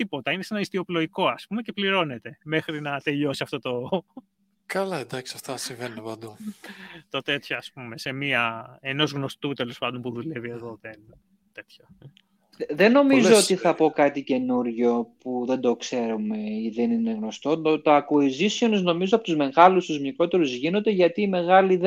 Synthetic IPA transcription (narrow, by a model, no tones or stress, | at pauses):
t̪ipo̞t̪ɐinese̞nɐist̪io̞plo̞ʝiko̞ɐspumecepliɾo̞net̪e̞me̞xɾinɐt̪e̞ʎo̞siɐft̪o̞t̪o̞ | kɐlɐend̪ɐksiɐft̪ɐsiɱvenunepɐnd̪u | t̪o̞t̪e̞t̪çoɐspume̞se̞miɐeno̞zɣno̞st̪ut̪e̞lo̞spɐnd̪o̞mpuðule̞vie̞ðo̞ðen | t̪e̞t̪ço | ðe̞nːo̞mizoot̪iθɐpo̞kɐt̪ice̞nuɾʝo̞puðe̞nd̪o̞kse̞ɾume̞iðe̞nine̞ɣno̞st̪o̞t̪ot̪oɐkoizisionizno̞mizoɐpo̞t̪uzme̞ɣɐlust̪uzmɲikɾo̞t̪e̞ɾuzʝino̞nd̪e̞ʝɐt̪iːme̞ɣɐlið